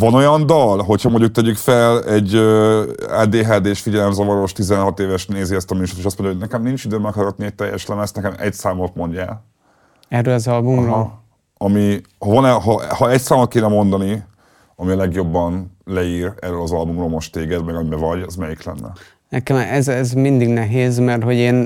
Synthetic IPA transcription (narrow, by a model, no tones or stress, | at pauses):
vɒno̞jɒnd̪ɒlɦo̞chɒmoɲɟuk̚t̪ɛɟykfɛlɛɟːøːa̰ːd̪eːɦaːd̪eːʃfiɟɛlɛmzɒvɒɾo̞ʃt̪izɛnɦɒt̪eːvɛʃt̪neːziɛst̪ɒmyːʃot̪eːʃɒst̪mo̞ɲɟjoɦoɟnɛkɛmnint͡ʃid̪øːmːɛkɒɾɒt̪niɛc̚t̪ɛjːɛ̰ʃlɛmɛst̪nɛkɛmɛ̰csaːmo̞t̪mo̞ɲɟa̰ːl | ɛrølɒzɒlbumrol | ɒmi | hɒvɒnɛɦɒʔhɒɛcsaːmot̪̚keːnɛmo̞nd̪ɒni | ɒmiɒlɛɡjo̞bːɒnlɛiːɾɛ̰rːøːlɒzɒlbumrolmo̞ʃt̪eːɡɛd̪mɛɡɒmibɛvɒɟɛzmɛjiklɛ̰nːɛ̰ | nɛkɛmɛzɛzmind̪iɡnɛɦeːzmɛrt̪ho̞ɟeːn